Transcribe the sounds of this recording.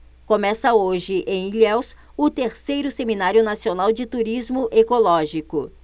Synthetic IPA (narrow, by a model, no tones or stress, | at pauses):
kõmɛsɐoʒɪʔẽj̃ilɛws | ʊt̪eɾsejɾʊseminaɾjʊnasionawd͡ʒɪt̪uɾizmʊʔekolɔʒikʊ